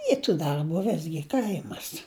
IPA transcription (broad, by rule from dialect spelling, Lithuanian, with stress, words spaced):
ˈiː tuː dɐrˈbuː ˈʋʲɪzʲɡʲɪ ˈkɐɪmɐs